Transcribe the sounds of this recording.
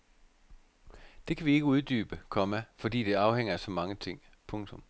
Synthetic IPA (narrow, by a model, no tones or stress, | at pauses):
d̥e̝kʰæʋie̝ɡ̥əuðˠd̥y̰ːb̥əkʰɒ̽mæfɒ̽d̥ḭːd̥e̝ɑ̈ʊheŋ̰ɐæsɒ̽mɑ̈ŋət͡sʰe̝ŋ̰ | pʰɔ̽ŋt͡sʰɔ̽m